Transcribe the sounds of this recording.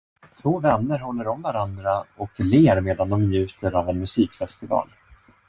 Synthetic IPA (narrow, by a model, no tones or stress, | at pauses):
t̪ʰvoːvɛnːəɾɦɔlːəɾɔmvaɾand̪ɾaɔkleːɾmeːd̪and̪ɔmnjʉ̟ːt̪əɾavɛnmɵsiːkfɛst̪ɪvɑ̰ːl